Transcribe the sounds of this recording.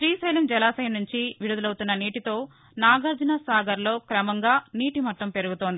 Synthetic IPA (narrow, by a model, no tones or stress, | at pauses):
ʃɾiːsɐjlɐmd͡ʒɛlaːsɐjɐnuɲt͡ʃiʋiɽud̪ulɐwt̪unːɐniːʈit̪o̞ː | naːɡɐɾd͡ʒinasaːɡɐɾlo̞ːkɾɐmɐŋɡaːniːʈimɐʈːɐmpe̞ɾuɡut̪oːnd̪ii